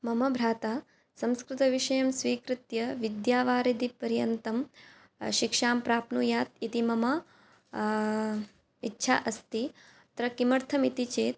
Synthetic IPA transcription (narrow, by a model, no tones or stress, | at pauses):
mɐmɐbʱɾaːt̪aː | sɐ̃mskɾɪt̪ɐʋiʃɐjɐmsʋiːkɾɪt̪jɐʋid̪jaːʋaːɾid̪ipɐɾjɐnt̪ɐm | ʃɪkʂaːmpɾaːpnujaːt̪it̪imɐmɐ | itːʃʰa̰ːʔɐst̪i | t̪ɾɐkimɐɾt̪ʰɐmit̪it͡ʃeːt̪̚